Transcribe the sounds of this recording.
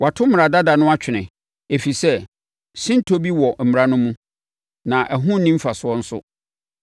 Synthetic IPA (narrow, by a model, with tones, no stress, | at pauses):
wa˨tʰʊ˦m˦˨ɾa˨da˦da˨nʊ̃˦a˦t͡ɕᶣʰɪ˨nɪ̃˨ | e˨fi˨sɛ˦ | sĩ˦n̩˦tʰo˦bi˦wɔ˨m̩˨mɪ˨ɾã˦nʊ̃˦mũ˦ | nã˨ʔæ˨ɦʊ̃˦n˨˦nĩ˦m̩˦fa˨sʊ˦ɔ˦n̩˦sʊ̰˦